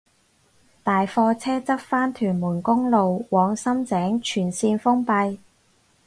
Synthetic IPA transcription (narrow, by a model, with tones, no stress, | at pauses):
t̪aː˨jfɔː˧t͡sʰɛː˥t͡sɐ˥p̚faː˥nt̪ʰyː˨˩nmuː˨˩nkʊ˥ŋlo˨wwɔː˨˧˥ŋsɐ˥mt͡sɛː˨˥ŋt͡ʃʰyː˨˩nsiː˧nfʊ˥ŋpɐ˧j